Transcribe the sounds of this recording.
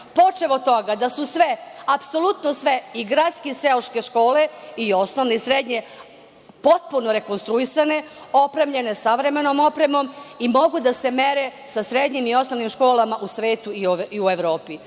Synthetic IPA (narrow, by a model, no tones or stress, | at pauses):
po̞t͡ʃeʋot̪o̞ɡad̪asusʋeapso̞lˠut̪nosʋeiɡɾat̪skeseloʃke̞ʃko̞ːleio̞snoʋneisɾed̪ɲe̞ | po̞t̪̚punoɾe̞ko̞nst̪ɾuisane̞o̞pɾemʎe̞nesaʋɾe̞me̞noːmo̞pɾe̞mo̞mimo̞ɡud̪ase̞meɾesasɾed̪ɲimio̞snoʋnimʃko̞ːlamaʔusʋe̞ːt̪uiiueʋɾo̞ːpi